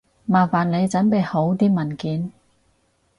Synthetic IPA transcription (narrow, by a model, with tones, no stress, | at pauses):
maː˨˩faː˨˩nle˨˧jt͡sɐ˨˥npe˨˧jho˨˥wt̪iː˥mɐ˨˩nkiː˨˥n